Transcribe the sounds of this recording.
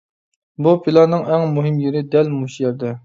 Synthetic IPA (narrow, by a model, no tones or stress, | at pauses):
bupʰilˠɑnɨŋɛŋmuɦɪmjeɾɪd̪ɛlmuʃjɛɾd̪ɛ